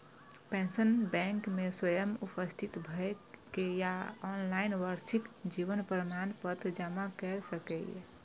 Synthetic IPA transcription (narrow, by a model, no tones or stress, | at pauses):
pẽnsənbɛ̃ŋkmeswəjəmupəst̪ʰit̪bʱəkejaɔnlainʋəɾsikd͡ʒiʋənpɾəmanpət̪ʰd͡ʒamakɛɾsəkɛ̰ɛ̰